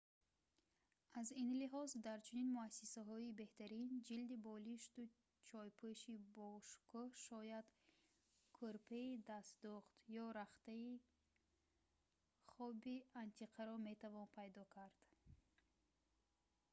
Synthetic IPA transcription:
azinliɦɔzd̪aɾt͡ʃʰuninmuasːisaɦɔibe̞ht̪aɾind͡ʒild̪ibɔliʃt̪u | t͡ʃʰɔjpʰuʃibɔʃkʰɔhʃɔjad̪ | kʰuɾpʰeid̪asd̪uχt̪jɔɾaχt̪ai | χɔbiant̪ʰiqʰaɾɔme̞t̪ʰavɔnpʰajd̪ɔkʰaɾd̪̥

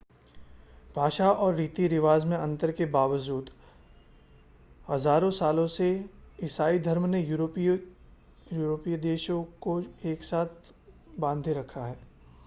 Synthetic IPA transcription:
b̥ʱaːʃaɔːɾːiːt̪iɾɪʋaːzmẽɐ̃nt̪əɾkebaːʋəd͡ʒuːd̪ | hɐzaːɾõsaːlõseɪsaːid̪ʱɐɾmne | juːɾoːpijd̪eːʃõkoeːksaːt̪ʰ | bãːnd̪ʱeɾɐkʰaɦɛː

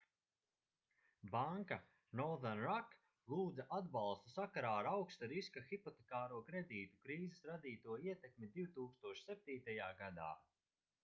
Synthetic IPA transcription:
baŋka | nɔðanɾak | lˠuːd̪zaʔad̪bɑlˠst̪usakaɾaːɾawkst̪aɾiskaxipɔt̪ekaːɾuɔkɾed̪iːt̪ukɾiːzesɾad̪iːt̪uɔiɛt̪ekmʲid̪iwt̪uːkst̪uɔʃi̥sɛp̚t̪iːt̪ajaːɡad̪a̰ː

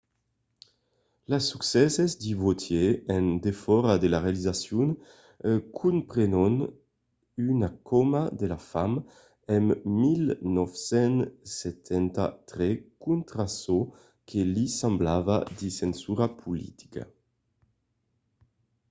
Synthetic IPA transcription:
lasuksɛsezd̪iβot̪ʰjeːnd̪efɔɾad̪elaʁealizasjun | kʰumpɾenon | ynakɔmad̪elafam | ɛmːilnɔfsɛnset̪ʰɛnt̪a̰t̪ɾekunt̪ɾaso | kʰelisamblavad̪isensuɾapʰulḭt̪i̥ka̰

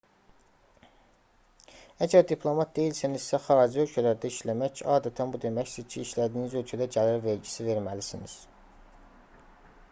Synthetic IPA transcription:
æɟæɾd̪ipʰlˠo̞mɑt̪̚d̪e̞jilsinizsæχɑːd͡ʒiølcʰælæɾd̪æiʃlæmæçɑːd̪æt̪ʰænbud̪e̞mæçsizcʰiːʃlæd̪iːnizø̞lcʰæd̪æɟælæɾve̞ɾɟisive̞ɾmælisiniz̥

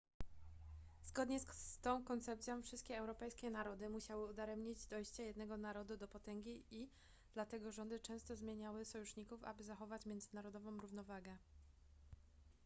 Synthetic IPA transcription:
z̥ɡɔd̪ɲɛst̪ɔ̃w̃kɔnt̪sɛp̚t̪sʲjɔ̃w̃fʂɘst̪̚kʲɛɛwɾɔpɛjskʲɛnaɾɔd̪ɘmuɕawɘud̪aɾɛmɲid͡ʑd̪ɔjɕt͡ɕajɛd̪nɛɡɔnaɾɔd̪ud̪ɔpɔt̪ɛŋɡʲii | d̪̥lat̪ɛɡɔʐɔnd̪ɘt͡ʂɛ̃w̃st̪ɔzmʲjeɲawɘsɔjuʂɲikufa̰bɘzaxɔvat͡ɕmʲjɛnzɘnaɾɔd̪ɔvɔ̃mɾuvnɔvaɡɛ

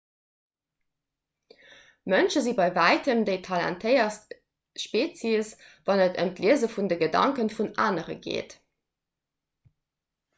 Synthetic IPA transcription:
mənʃəzibɑɪvæɪtʰəmdeɪtʰɑlæ̰ntʰəɪɐst | ʃpeːt͡sisvɑnətʰə̰mtliəzəfundəɡədɑ̰ŋkənfunaːnəʁə̰ɡḛːt

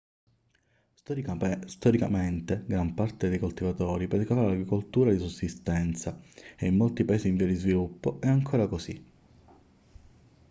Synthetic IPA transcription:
st̪st̪ɔɾikament̪eɡɾampart̪ed̪ejkolt̪ivat̪ɔːɾipɛɾkafaɾelaɡɾikolt̪uːɾad̪isusːist̪ɛnt̪saeimːolt̪ipaeːsiːɱviad̪izvilupːoɛaŋkʰoːɾakosi

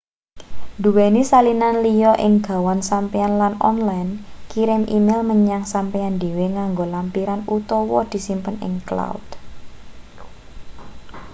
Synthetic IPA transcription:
d̪uwɛnisalinanlijɔʔɪŋɡ̥a̤wansampɛanlanɔ̰nlajnkiɾɪmʔimɪlməɲaŋsampɛand̪e̤weŋaŋɡolampiɾanut̪ɔwɔd̪̥i̤simpənɪ̰ŋkla̰wud̥

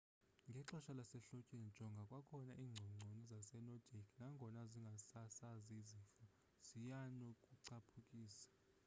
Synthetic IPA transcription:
ŋɡʱɛǁɔʃalasɛɬocʼini̥d͡ʒ̥ʱɔŋɡʱakʼwakʰɔnaʔiːŋ͡ǀʱɔŋ͡ǀʱonizasɛnɔdʱeɡʰnaŋɡʱɔnaziŋɡʱasasazizifɔ | z̥ijanɔkʼuǀʰapʰukʼiːsḁ

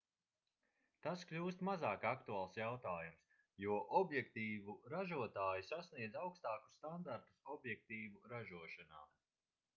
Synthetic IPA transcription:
t̪asklʲuːst̪mazaːkakt̪uaːlˠsjawt̪aːjums | juɔʔɔbjɛkt̪iːvuɾaʒuɔt̪aːjisasniɛd̪zawkst̪aːku̥st̪and̪aɾt̪u̥sɔbjɛk̚t̪iːvuɾaʒuɔʃana̰ː

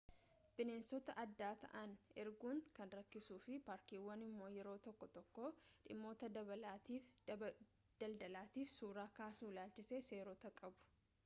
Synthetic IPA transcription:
b̥ɪneːnsɔt̪ɐʔɐd̪ːaːt̪ɐ̰ʔɐnɛɾɡuːŋkɐnɾɐkːɪsuːfɪpaːɾkiːwːɐnɪmːo̞ːjɛɾo̞ːt̪ɔkːɔt̪ɔkːoːᶑɪmːo̞ːt̪ɐd̪ɐbɐlaːt̪iːf | d̪̥ɐld̪ɐlaːt̪iːfsuːɾaːkaːsuːlaːlt͡ʃɪseːse̞ːɾɔt̪ɐkʼɐbʊ̥

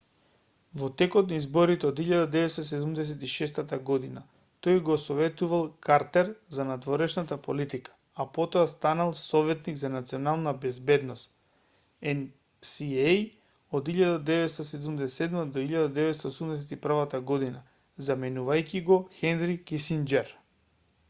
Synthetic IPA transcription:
vɔt̪ɛkɔt̪naizbɔɾit̪ɛɔd̪iʎad̪ad̪ɛvɛt̪st̪as̬ɛd̪umd̪ɛs̬ɛt̪iʃɛst̪at̪aɡɔd̪ina | t̪ojɡɔsɔvɛt̪uvalˠkaɾt̪ɛɾzanad̪vɔɾɛʃnat̪apolit̪ikḁ | apɔt̪ɔast̪analˠsɔvɛt̪niɡzanat̪sionalˠnabɛzbɛd̪nɔst̪ | ɛn | siej | ɔd̪iʎad̪ad̪ɛvɛt̪st̪asɛd̪umd̪ɛsɛd̪mad̪oiʎad̪ad̪ɛvɛt̪st̪aosumd̪ɛs̬ɛt̪ipr̩vat̪aɡɔd̪ina | zamɛnuvajkiɡɔxɛnɾikisind͡ʒɛɾ

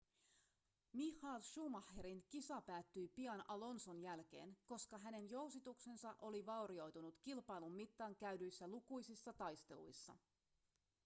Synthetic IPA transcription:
mixɑːlʃuːmɑheɾinkisɑpæːt̪ːyjpiɑnɑlo̞nsonjælk̟e̞ːnko̞skɑɦæne̞njo̞wsit̪ukse̞nsɑʔo̞liʋɑwɾio̞jt̪unut̪kilpɑjlumːit̪ːɑːŋkæydyjsːælukujsisːɑt̪ɑjst̪e̞lṵjsːɑ̰

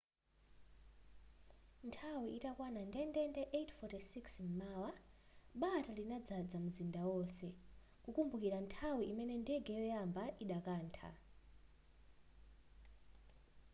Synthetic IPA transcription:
ntʰawiitakwanandɛndɛndɛʔetʰfɔtisiksm̩maːwaɓatalinad͡zad͡zamuzindawɔsɛ | kukumbukiɾantʰawiʔimɛnɛndɛɡɛjɔjambaʔiɗakaːntʰa̰

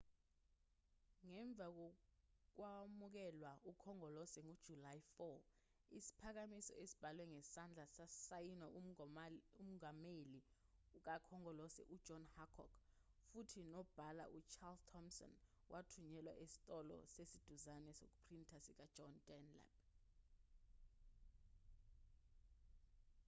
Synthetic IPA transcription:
ŋɛɱb̪vʱak̬ok̬wamuk̬ɛlwaukʰɔŋɔlɔsɛŋud̥ʒ̥ʱulajfɔ | isi̥pʰak̬amisɔ̰ʔesi̥b̥ʱalwɛŋɛsand͡ɮʱasasajina | um̩ŋameliuk̬ʼakʰɔŋɔlɔsɛ̰ʔud̥ʒ̥ʱɔnhakʰɔ̰kʰ | futʰinɔb̥ʱala̰ʔut͡ʃʰaltʰɔmsɔ̰n | wʔatʰuɲɛlwa̰ʔesi̥tʼɔlɔ̰sesid̥ʱuzanɛso̰k̬ʼupʰrintʰasik̬ʼḁʒ̥ʱɔndɛnla̰b̚

